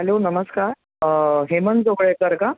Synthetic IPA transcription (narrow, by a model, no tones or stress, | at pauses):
ɦælonəməskaɾ | ɦemənd͡zoɡɭekəɾka